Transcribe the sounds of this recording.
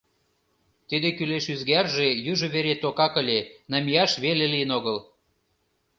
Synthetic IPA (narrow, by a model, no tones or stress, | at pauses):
t̪id̪ekyleʃyzɣærʒejyʒŏβeɾet̪okɑkə̆lʲenɑmiɑʃβelelijənoɣəl